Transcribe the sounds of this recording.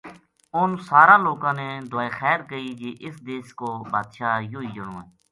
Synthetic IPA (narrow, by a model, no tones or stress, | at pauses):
ʊnsaːɾãːloːkãːneːd̪ʊaːeːxɛːɾkəiːd͡ʒeːʔɪsd̪eːskoːbaːd̪ʃaːjoːiːd͡ʒəɽõːẽː